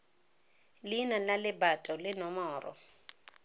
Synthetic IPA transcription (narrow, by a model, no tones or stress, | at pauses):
lɪnalalɪbatʼɔlɪnɔmɔːrʔɔ̰